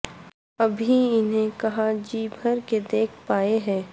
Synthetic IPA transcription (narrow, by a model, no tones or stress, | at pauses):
ɐbʱiɪnɦẽkɐɦad͡ʒiːbʱɐɾked̪eːkʰpaːeɦɛ̃ː